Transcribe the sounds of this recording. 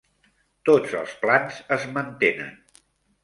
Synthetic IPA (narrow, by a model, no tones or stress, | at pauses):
t̪od͡zə̰lˠsplanzəzmənt̪enə̰n